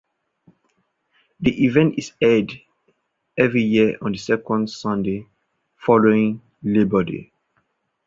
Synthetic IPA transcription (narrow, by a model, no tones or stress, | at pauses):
diʔivɛ̃ntisɛd | ɛvɹijiəʔɔ̃ndəsɛkɔ̃ndsɔ̃nde | fɔloĩŋ | lebədḛ